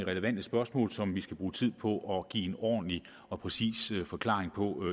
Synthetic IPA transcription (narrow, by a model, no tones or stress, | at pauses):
ʁɛləʋæn̰d̥əsb̥ɶɐsmɔ̰̽ːlsɒ̽mʋisɡ̥æb̥ʁuːt͡sʰið̞̰ˠpʰɒ̽ʔɒ̽ɡ̥ḭːe̝nɒ̰ːd̥n̩li | ɒ̽pʰʁɛsḭːsfɒ̽kʰlɑ̰̈ʁeŋpʰɒ̽